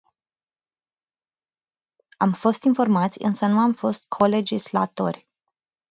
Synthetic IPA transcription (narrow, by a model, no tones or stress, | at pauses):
amfo̞st̪info̞rmat̪sʲɨ̰nsənuamfo̞st̪̚kʰo̞le̞d͡ʒisla̰t̪o̞̰rʲ